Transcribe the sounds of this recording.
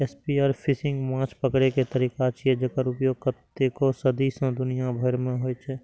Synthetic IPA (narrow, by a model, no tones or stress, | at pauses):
espiaːɾpʰɪsɪ̃ŋɡmãːt͡ʃʰpəkɽeket̪əɾiːkat͡ʃʰied͡ʒəkəɾʊpjoːkət̪ːekosəd̪isãd̪ʊnijabʱəɾmẽɦoːit͡ʃʰɛː